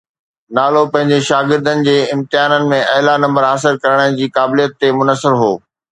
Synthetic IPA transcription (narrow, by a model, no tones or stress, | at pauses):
naːlopɐ̃ɦɪ̃ɲd͡ʑeʃaːɡɪɾd̪ənɪ̆d͡ʑeːɪ̃mt̪ɪaːnənɪ̆mẽʔɐɦlanɐ̃mbəɾɦaːsɪlkɐɾəɽ̃ənɪ̆d͡ʑiːkaːbɪlijət̪ːemʊnəsɪɾɦo̰ː